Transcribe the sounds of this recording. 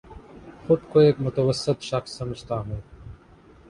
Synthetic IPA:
xʊd̪koeːkmʊt̪əwəsɪt̪ʃɐqsːɐməd͡ʑʱt̪aːɦũː

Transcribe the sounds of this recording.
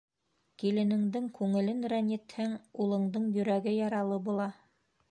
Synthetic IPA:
kilɘ̆nɘ̆ŋd̪ɘŋkʉŋɘ̆lɘnɾænʲɘ̆t̪hæŋulˠɤ̆ɴd̪ɤɴjɵ̆ɾæɡɘjɑɾɑlˠɤbulˠɑ

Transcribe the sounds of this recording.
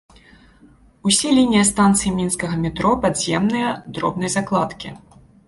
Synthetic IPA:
usʲɛlʲinʲijɐst̪ant̪sɨjimʲinskɐɣɐmʲit̪ɾɔpad̪zʲjɛmnɨjɐd̪ɾɔ̰bnɐjzaklˠat̪kʲḭ

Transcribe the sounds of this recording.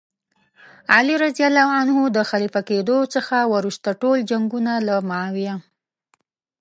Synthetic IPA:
aliɾazijalːawanhud̪əxalifaked̪ot͡səxawaɾuʃt̪aʈold͡ʒaŋɡunalamawija

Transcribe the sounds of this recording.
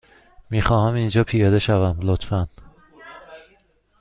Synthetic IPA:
miːxɒːhæmind͡ʒɒːpʰijɒːd̪e̞ʃævæmlot̪fæn

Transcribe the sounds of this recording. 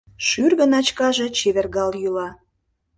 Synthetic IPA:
ʃyrɣə̆nɑt͡ɕkɑʒe̽t͡ɕeβerɣɑljylɑ

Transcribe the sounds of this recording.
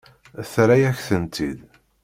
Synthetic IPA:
θɾæjæçθənt̪id̪

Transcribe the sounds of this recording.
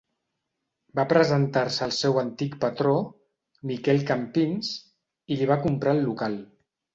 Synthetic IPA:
bapɾəzənt̪aɾsəːlˠsɛwənt̪ikpət̪ɾo | mikɛlˠkampinz | iliβ̞akumpɾaəlːukalˠ

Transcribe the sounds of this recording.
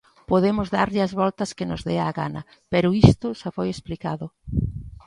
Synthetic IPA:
poðemʊzðaɾʎɪɐzβɔlt̪ɐskɪnʊzðɛaɣa̰nɐ̰ | pɛɾʊist̪ʊʃafojesplikaðʊ

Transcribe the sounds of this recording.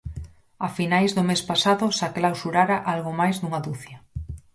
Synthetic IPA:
afinajzðʊmespasaðʊsaklawsuɾaɾaʔalɣomajzðuŋaðuθjɐ

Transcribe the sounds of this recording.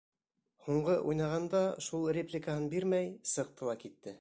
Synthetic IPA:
huɴɢɤʔujnɑʁɑnd̪ɑʃulˠrʲeplʲɪkahɤnbiɾmæjsɤq̚t̪ɤ̆lˠɑkit̪ːɘ

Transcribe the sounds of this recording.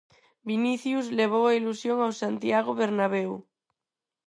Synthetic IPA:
biniθjuzleβ̞owailusjoŋawsant̪jaɣ̞oβeɾnaβew

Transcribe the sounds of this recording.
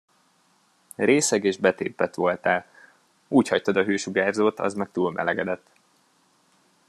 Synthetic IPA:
reːsɛɡeːʒbɛt̪eːpːɛt̪ʋo̞lt̪ɛl | uːchɒc̚t̪ɒd̪ɒɦøːʃuɡaːrzoːt̪ɒ̰zmɛk̚t̪uːlmʔɛ̰lɛɡɛd̪ɛt̪ː

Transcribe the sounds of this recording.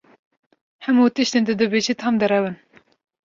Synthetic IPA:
hɛmuːt̪ɨʃt̪eːnd̪ɨd̪ɨbeːʒit̪ʰhɑmd̪ɨɾɛwɨn

